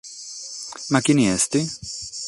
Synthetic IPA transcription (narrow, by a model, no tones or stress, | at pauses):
makiniɛst̪i